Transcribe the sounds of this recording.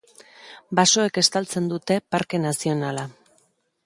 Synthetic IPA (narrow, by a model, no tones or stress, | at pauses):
baso̞eke̞st̪alt͡se̞nd̪ut̪e̞paɾke̞nasio̞nala